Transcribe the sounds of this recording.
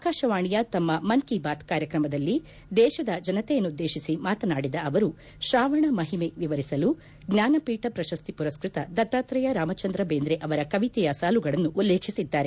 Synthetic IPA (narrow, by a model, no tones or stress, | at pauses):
aːkaːʃɐʋaːɳijɐt̪ɐmːɐmɐnkibaːt̪kaːɾjɐkɾɐmɐd̪ɐlːi | d̪ɛːʃɐd̪ɐd͡ʒɐnɐt̪ɛjɐnːud̪ːeːʃisimaːt̪ɐnaːɽid̪ɐɐʋɐɾu | ʃɾaːʋɐɳɐmɐɦimeʋiʋɐɾisɐlu | ɡɲaːnɐpiːʈɐpɾɐʃɐst̪ipuɾɐskɾit̪ɐd̪ɐt̪ːaːt̪ɾɐjɐɾaːmɐt͡ʃɐnd̪ɾɐbeːnd̪ɾeʔɐʋɐɾɐkɐʋit̪ɛjɐsaːluɡɐɭɐnːuʔulːeːkʰisid̪ːaːɾe